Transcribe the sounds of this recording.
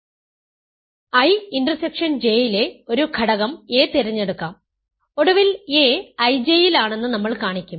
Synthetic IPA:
ɐjinɖrɐsekʂɐnd͡ʑejile̞o̞ɾukʰɐɽɐɣɐme̞ːt̪iɾɐɲːeɽukːaːm | o̞ɽɐʋileːɐjd͡ʑejilaːɳe̞nːɨnɐmːɐɭkaːɳikʲːum

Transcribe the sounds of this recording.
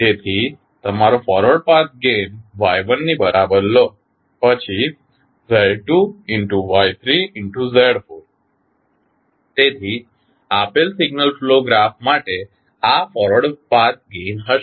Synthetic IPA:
t̪et̪ʰi | t̪əm̤aɾofɔɾəɽpaɾt̪̚ɡenʋajʋənːiːbəɾʔabəɾlɔ | pət͡ɕʰi | zɛɽʈuiɳʈuʋajt̪ʰɾiiɳʈuzeɽfoɾ | t̪et̪ʰi | apelsiɡnəlfloɡɾafmaʈe | afɔɾʋəɽpaɾt̪̚ɡenɦə

